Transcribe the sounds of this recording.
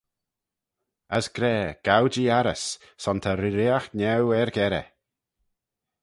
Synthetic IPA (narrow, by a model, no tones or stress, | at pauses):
əsɡ̥ɾɛːɡ̥awd͡ʒiaɾəsː | ɔnt̪ʰaɾiɾɪaxnɛwɛɹɡɛɾɛ̰